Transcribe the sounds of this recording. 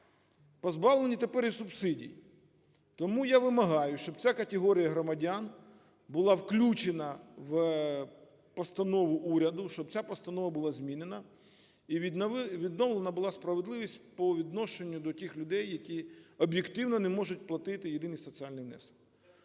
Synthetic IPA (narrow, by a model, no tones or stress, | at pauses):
pɔzbɑʋlˠenʲit̪epɛɾisʊbsɪdʲḭj | t̪ɔmujaʋɪmɐɦɑjʊʃt͡ʃɔbt͡sʲakɐt̪ʲeɦɔɾʲijɐɦɾɔmɐdʲan | bʊlˠɑwklʲut͡ʃenɐʋ | pɔst̪ɐnɔʋʊʔuɾʲɐd̪ʊʃt͡ʃɔb̚t͡sʲapɔst̪ɐnɔʋɐbʊlˠɑzʲmʲinenɐ | iʋʲid̪nɔwlˠenɐbʊlˠɑspɾɐʋed̪lˠɪʋʲisʲt̚ʲpɔʋʲid̪nɔʃe̞nʲːʊd̪ɔtʲɪxlʲʊd̪ɛjːɐkʲiɔbjekt̪ɪwnɔnemɔʒʊt̚ʲplˠɐt̪ɪt̪ɪjed̪ɪnɨjsɔt͡sʲialʲnɨjʋnɛ̰sɐ̥k